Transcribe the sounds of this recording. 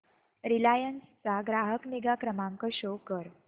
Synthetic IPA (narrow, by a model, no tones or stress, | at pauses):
ɾilajənst͡saɡɾaɦəkniɡakɾəmãŋkəɕokəɾ